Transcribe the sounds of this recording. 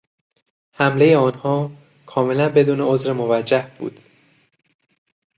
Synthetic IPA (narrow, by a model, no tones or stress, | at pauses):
hæmlejeɒːnhɒː | kʰɒːme̞lænbe̞d̪uːneozɾemo̞væd͡ʒːæhb̥ṵːd̪̥